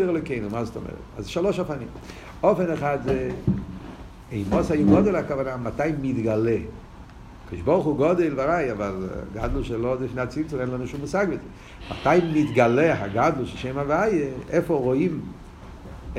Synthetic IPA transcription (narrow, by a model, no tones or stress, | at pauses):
iʁlokeɪnumastɔ̰mʔɛ̰ʁɛ̰tazʃalˠoʃafanḭm | ɔfɛnɛχadze | eɪmɔsajuɡɔdelakavanamataɪmɪdɡalɛ | kʰɔdɪʃbɔʁχuɡɔdeɪlˠvaʁajavalˠɡa̰dl̩ˠʃelodɪfneat͡sint͡solɛnlˠanuʃumusaɡbɪz | ma̰taɪmɪdɡalɛɦaɡadl̩ˠʃeʃeɪmavajəɛfɔʁɔim